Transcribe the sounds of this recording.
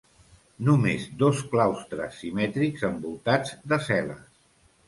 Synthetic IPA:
numezd̪ɔsklawst̪ɾə̰sːimɛt̪ɾikzəmbulˠt̪ad͡zd̪əsɛlə̰

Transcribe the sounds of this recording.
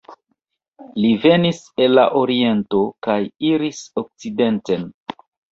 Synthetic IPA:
live̞nise̞lːa̰ʔo̞ɾie̞nto̞kajiɾisok̚t͡side̞nte̞n

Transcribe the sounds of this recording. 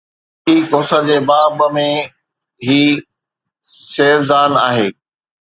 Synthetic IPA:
iːkoːsəd͡ʑeːbaːbmẽ | ɦiː | seːʋzaːnaːɦeː

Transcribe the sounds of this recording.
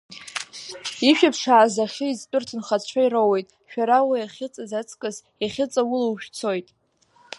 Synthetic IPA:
iʃᶣapʰʂaːzaχʲɪizpʼɨrtʰɨnχat͡ɕʷʰairowejtʼ | ʃᶣaɾawiaχʲɪt͡sʼazat͡sʰʼkʼɨz | iχʲɪt͡sʼawʊlawʃᶣt͡sʰo̞jtʼ

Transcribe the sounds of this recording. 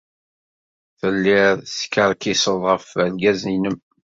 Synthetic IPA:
θəlːɪɾskəɾˤkisəðˤʁəfəlɡæzinəm

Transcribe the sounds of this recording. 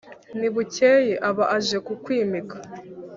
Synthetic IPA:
niβuceːjeʔaβaʔaʒe̞kukwiːmikḁ

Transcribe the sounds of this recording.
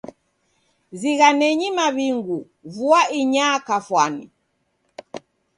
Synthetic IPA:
ziɣanɛɲimaβiŋɡu | vuaiɲakafwani

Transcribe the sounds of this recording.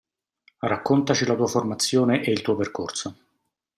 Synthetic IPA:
rakːont̪at͡ʃilat̪uːaformat̪sːjoːneʔeilt̪uːoperkorso

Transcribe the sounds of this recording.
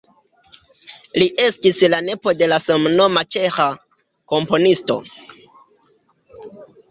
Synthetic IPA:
liʔe̞stislane̞po̞de̞lasomno̞mat͡ʃe̞xa | ko̞mpo̞nisto̞̰

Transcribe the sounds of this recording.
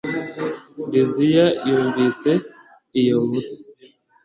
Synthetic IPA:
dizijajuːɱvise | ijowuɾi

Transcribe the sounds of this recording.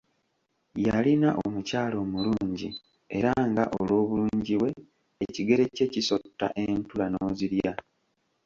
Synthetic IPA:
jalinaʔomucaːlo̞ːmuluːɲɟi | e̞ɾaŋɡa̰ʔolwo̞ːβuluːɲɟiβwe̞ː | ciɡe̞ɾe̞ce̞ciso̞tːa̰ʔe̞ntulanoːziɾja

